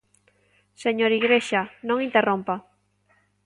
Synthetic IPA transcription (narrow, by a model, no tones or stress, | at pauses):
seɲoɾiɣɾeʃanõŋint̪erompa